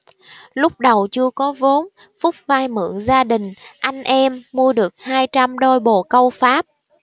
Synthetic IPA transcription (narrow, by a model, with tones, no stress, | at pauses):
lʊ˦˥k͡p̚ɗə˨˩wt͡ɕɨ˧əkɔ˨˦vo˨˦n | fʊ˦˥k͡p̚vaː˧jmɨ̰˧˩əŋzaː˧ɗï˨˩ŋ̟ʔa˧jŋ̟ʔɛ˧mːu˧əɗɨ˨˩ək̚haː˧jt͡ɕa˧mɗo˧jɓo˨˩kə˧wfaː˦˥p̚